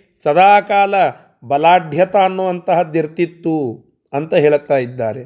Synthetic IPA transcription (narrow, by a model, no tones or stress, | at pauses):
sɐd̪ʱaːkaːlɐ | bɐlaːd̪ʱjɐt̪aːnːuʋɐnt̪ɐɦɐd̪iɾt̪it̪ːu | ɐnt̪ɐɦeːɭt̪ːaːjid̪ːaːɾe